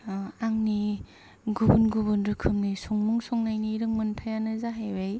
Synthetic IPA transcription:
aŋni | ɡubunɡubunɾɯkʰɯmnisɔŋmuŋsɔŋnajniɾɯŋmɯnpʰajanɯzaɦajbaj

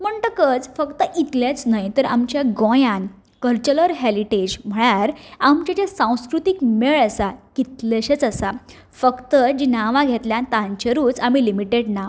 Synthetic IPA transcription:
m̤əɳʈ̪əkət͡sfəkt̪əʔit̪ljet͡snajt̪əɾamt͡ɕjaɡɔ̃jãn | kəɾt͡ɕələɾɦeliʈed͡ʑm̤əɽaɾamt͡ɕad͡ʑesãw̃skɾut̪ikmeɭəsakit̪leɕet͡səsa | fəkt̪əd͡ʑinaʋãɡʱet̪ljãnt̪ãɲt͡ɕəɾuːt͡samilimiʈeɖna

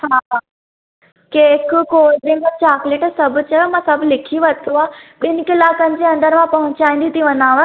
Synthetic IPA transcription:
haa | keːkkoːɾd̪ĩŋɡət͡ɕaːkleʈsɐbʱt͡ɕəmãsəbʱlɪkʰiʋət̪uabɪnkɪlaːkən̆t͡ɕeɐ̃nd̪əɾmãpɐɦʊ̃t͡ɕaːĩnd̪it̪iʋɐnaːʋə

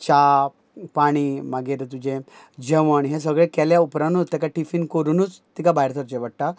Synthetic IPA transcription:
t͡ɕa | paɽ̃imaɡeɾt̪ud͡ʑẽ | d͡ʑeʋəɳɦẽs̬əɡɭekɛljaupɾanut̪ːɛkaʈifinkoɾunuːt͡st̪ikabʱajɾt̪ʰəɾt͡ɕeʋəɽʈa

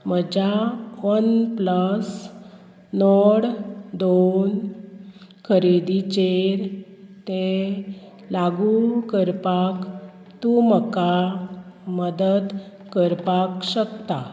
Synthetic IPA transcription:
məd͡ʑaʋənpləs | nɔɽd̪on | kʰəɾed̪it͡ɕeɾt̪e | laɡukəɾpak | t̪uməka | məd̪əd̪ | kəɾpakɕəkt̪a̰

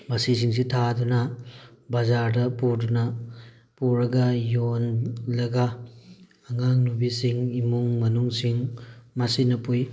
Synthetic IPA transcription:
mɐsis̬iŋs̬itʰadunɐbɐzaɾdɐpuɾdunɐ | puɾɐɡɐjonlɐɡaː | ŋaŋnubisiŋimuŋmɐnuŋsiŋmɐsinɐpuj

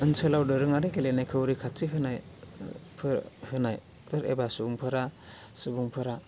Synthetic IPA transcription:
ɯnsɯlawdɯɾɯŋaɾekelenajkʰɯwɾikʰatiɦɯnaj | pʰɾhɯnaj | tɯɾḛbasuuŋpʰɯɾasɯbuŋpʰɯɾa

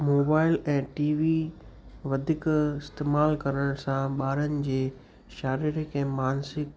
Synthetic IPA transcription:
moːbaːɪlɛ̃ːʈiːʋi | ʋɐd̪ʱɪkɪst̪eːmaːlkɐɾəɽ̃sãɓaːɾənɪ̆d͡ʑeː | ʃaːɾɪɾɪkɛ̃ːmaːnsɪk

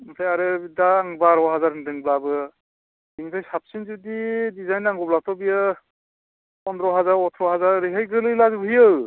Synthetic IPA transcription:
masʰajaɾɯbidaːŋbaɾɔɦazaɾhɯndɯŋblabɯ | diŋtʰajsap̚sinzudidizajnaŋɡɔblatʰɔbijɯ | ɔndɾɔɦazaɾɔtʰɾɔɦazaɾɾiɦɯjɡɯlɯjlazubɯɦijɯw

